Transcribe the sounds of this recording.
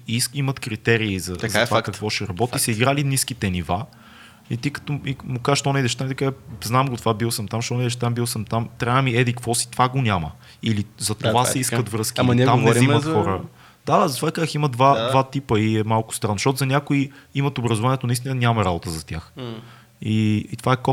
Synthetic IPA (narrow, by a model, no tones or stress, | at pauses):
isimət̪kɾit̪ɛɾiːzɐzat̪vaakɐk̪vɔʃɛɾɐbɔt̪isəiɡɾaliniskit̪ɛniva | it̪ikə̥t̪ɔimukazəʃt̪ɔnɛid̪ɛʃt̪amid̪əkaʒznamɡot̪ovabilˠsəmt̪amʃt̪ɔnɛid̪ɛʃt̪ambilˠsəmt̪amt̪ɾaamiɛd̪ɛikvɔsi̥t̪ovaɡonʲamə̰ | ilizɐt̪ovasɛiskət̪vɾɤskiamnit̪ammɾimɐt̪xɔɾə | d̪̥ad̪azɐt̪ovat̪ɐkazəximəd̪vad̪vat̪ipəiɛmalˠkʊ̥st̪ɾanːzʃtɔt̪ʊzɐnʲakoiimɐt̪obɾɐzovaniɛt̪onist̪inənʲamɐɾabot̪əzɐt̪ʲjax | iːt̪ovaɛko